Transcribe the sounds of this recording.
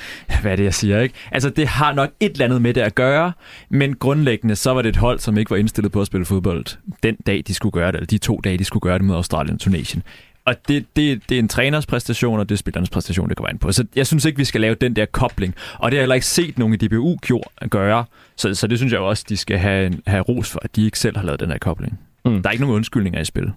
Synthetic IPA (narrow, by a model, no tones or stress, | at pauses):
ʋæɐɾe̝jɑ̈ɪsiːɐeɡ̥ʔæls̬ɐd̥e̝ɦɑ̈nɒ̽ɡ̥e̝d̥lænð̩ˠmed̥e̝æɡ̥ɶːɐmenɡ̥ʁɔ̽nleɡ̥ənəsɒ̽ʋɑɾe̝ed̥ɦɒ̽l̰sɒ̽me̝ɡ̥əʋɑ̈e̝nsd̥e̝lð̩ˠpʰɒ̽æsb̥e̝ləfo̝ð̞ˠb̥ɒ̽l̰ð̥̩ˠd̥end̥ɛ̰ːɪd̥isɡ̥uɡ̥ɶːɐɾeelsɐd̥it͡sʰo̝̰ːd̥ɛ̰ːɪd̥isɡ̥uɡ̥ɶːɐd̥e̝mo̝ð̞ˠɑʊd̥ʁɑ̰̈ːljənɒt͡sʰune̝̰ːɕjən | ʔɒ̽d̥e̝d̥e̝d̥e̝ent͡sʰʁɛːnɐspʰʁɛsnd̥æɕo̝̰ːnɒ̽d̥e̝sb̥e̝lɐːnəspʰʁɛsn̥æɕ̬o̰ːnd̥ekʰɒʋ̰æen̩pʰɒ̽sɒ̽jɑ̈ɪsynseɡ̥ʋisɡ̥ælɛːʊd̥end̥ɛɐkʰɒ̽b̥le̝ŋʔɒ̽d̥e̝hɑ̈elɐe̝ɡ̥se̝̰ːd̥no̝ːn̩id̥e̝b̥eṵːɡ̥ʰjo̝ɐ̰ɡ̥ɶːɐ | sɒ̽sɒ̽d̥e̝s̬ynsjɑ̈ɪoɒ̽sd̥isɡ̥æɦæɦæʁo̝̰ːsfɒ̽æd̥ie̝ɡ̥sel̰hɑlɛ̰ːʊðˠd̥end̥eɐ̰kʰɒ̽b̥le̝ŋ | ɑ̈ɐeɡəno̝ŋ̩ɔ̽nsɡ̥yl̰ne̝ŋɐisb̥e̝l